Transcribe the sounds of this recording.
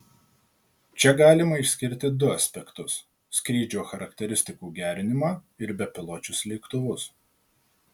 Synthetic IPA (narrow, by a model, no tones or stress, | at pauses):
t͡ʃʲɛɡɑːlʲɪmɐɪʃʲsʲkʲɪɾʲt̪ʲɪd̪ʊɐsʲpʲɛkt̪ʊs | sʲkɾʲiːd͡ʒʲoːxɐɾɐkt̪ʲɛɾʲɪsʲt̪ʲɪkuːɡʲæːɾʲɪnʲɪmɑːɪɾbʲɛpʲɪlˠoːt͡ʃʲʊslʲɛɪkt̪ʊʋʊs